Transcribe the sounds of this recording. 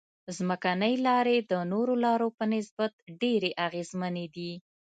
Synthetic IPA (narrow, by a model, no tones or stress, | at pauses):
zməkanəjlɑɾed̪ənoɾolɑɾopənɪs̬bat̪̚ɖeɾeʔaɣezməned̪i